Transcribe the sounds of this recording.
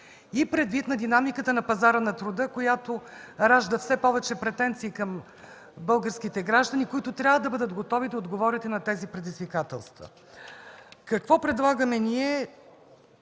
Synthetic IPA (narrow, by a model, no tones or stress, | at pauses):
ipɾɛd̪vit̪nɐd̪inamikət̪ənɐpɐzaɾənɐt̪ɾʊd̪ɤkojat̪oɾaʒd̪əfsɛpɔvɛt͡ʃɛpɾɛt̪ɛnt̪siːkɐm | bɤlˠɡəɾsk̟it̪ɛɡɾaʒd̪ɐnikʊit̪ʊt̪ɾʲjavəd̪ɐbɤd̪əd̪ɡot̪ɔvid̪ɐod̪ɡovɔɾit̪ɛnɐt̪ɛzipɾɛd̪izvikat̪ɛ̰lˠst̪və̰ | kɐkvɔpɾɛd̪lˠaɡəmɛniɛ